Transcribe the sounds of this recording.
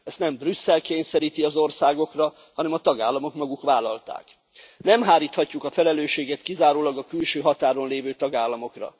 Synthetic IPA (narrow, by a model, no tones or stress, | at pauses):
ɛst̪nɛmbrysːɛlkeːɲsɛɾiːt̪iɒzo̞rsaːɡo̞krɒ | hɒnɛmɒt̪ɒɡaːlːɒmo̞kmɒɡukʋaːlɒlt̪a̰ːk | nɛmɦaːɾiːt̪hɒcːukɒfɛlɛløːʃeːɡɛt̪kizaːɾoːlɒɡɒkylʃøːɦɒt̪aːɾo̞nleːvøːt̪ɒɡaːlːɒmo̞krɒ̰